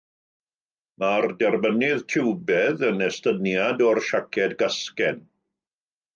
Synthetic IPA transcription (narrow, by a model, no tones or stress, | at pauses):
mardɛrmənɪðtʰɪwbɛðənɛstənjadɔrʃakʰɛdɡaskɛn